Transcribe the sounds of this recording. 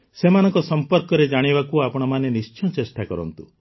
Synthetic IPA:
semanɔŋkɔsɔmpɔɾkɔɾed͡ʒaɽ̃ibakuapɔɽ̃ɔmanenist͡ʃɔ̃t͡ʃesʈakɔɾɔ̰nt̪u

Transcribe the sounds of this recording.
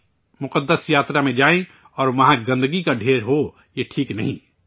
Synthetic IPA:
mʊqəd̪ːəsjaːt̪ɾamẽd͡ʒaːẽ | ɔːɾmɐɦãɡɐ̃nd̪əɡikaɖʱeːɾɦo | jeʈʰiːknəɦĩ

